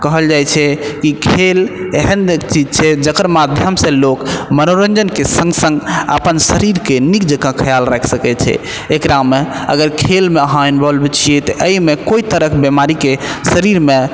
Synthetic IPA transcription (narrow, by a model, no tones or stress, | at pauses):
kəɦəld͡ʒajt͡ʃʰɛkikʰeleɦənt͡ʃid͡ʒt͡ʃʰɛd͡ʒəkəɾmad̪ʱjəmsẽlokmənoɾə̃nd͡ʒənkesə̃ŋɡsə̃ŋɡə̰pənsəɾiɾkenikd͡ʒəkãkʰəjalɾɛkʰsəkɛt͡ʃʰɛ̰ | ekɾameə̰ɡəɾkʰelmeəɦajnbəlbet͡ʃʰiɛt̪ɔʔəimekoit̪əɾəkʰbemaɾikesəɾiɾmẽ